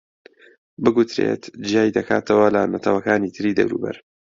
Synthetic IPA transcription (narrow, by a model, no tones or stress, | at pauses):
bɨɡut̪ɾe̞̰t̪d͡ʒijaːid̪ɐkʰa̰ːt̪ʰɐwɐlɐnɐt̪ʰɐwɐkaːnit̪ʰɨɾiːd̪ɐ̰wɾṵːbɐ̰ɾ